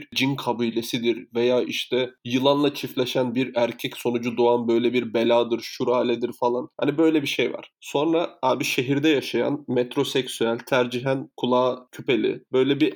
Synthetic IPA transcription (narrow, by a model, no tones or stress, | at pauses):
ɾd͡ʒinkʰabujlʲesid̪iɾvejaːʔiʃt̪ʰɛjɯlˠanlˠat͡ʃʰiflʲeʃænbiɾæɾcʰɛcso̞nud͡ʒud̪oanbø̞jlʲɛbiɾbe̞lʲaːd̪ɯɾʃuɾaːlʲɛd̪iɾfalˠanha̰nibø̞jlʲɛbiʃejva̰ɾ̥so̞nɾaaːbiʃe̞ɦiɾd̪ɛjaʃaja̰nmet̪ʰɾo̞sɛcsyælʲt̪ʰæɾd͡ʒiɦænkʰulˠaːcʰype̞lʲḭbø̞jlʲɛbi